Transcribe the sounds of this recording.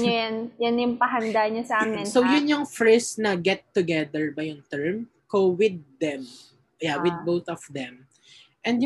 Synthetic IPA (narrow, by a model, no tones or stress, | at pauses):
ɲojanjanjʊŋpɐɦɐnd̪aɲɐsɐʔaːmɛnsowjʊnjʊŋfɹɪsnɐɡɛt̪ːʊɡɛd̪ɛɹbɐjʊŋt̪ɛɹm | kowɪd̪̚ːɛm | jawɪd̪̚bowθɔfd̪ɛ̃m | ʔɛ̃nd̪j